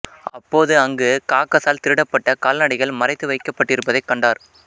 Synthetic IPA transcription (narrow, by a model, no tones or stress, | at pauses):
ɐpːoːðɯɐŋɡɯkaːkːɐsaːlt̪ɪɾɯɽɐpːɐʈːɐkaːlnɐɽɪɣɐɭmɐɾɐɪt̪ːɯʋɐɪkːɐpːɐʈːɪɾɯpːɐðɐɪkːɐɳɖaːɾ